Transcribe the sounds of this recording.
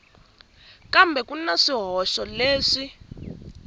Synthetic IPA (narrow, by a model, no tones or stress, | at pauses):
kambʱɛkʼunaʂiɦɔʃɔleːʂi